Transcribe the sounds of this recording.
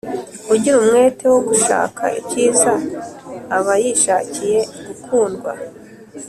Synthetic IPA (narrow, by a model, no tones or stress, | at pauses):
uɟiɾumŋe̞ːtʰe̞wo̞ɡuʃa̰ːkʰa̰ʔḭciːzaː | βajiʃaːcije̞ɡukʰuːnɡwa̰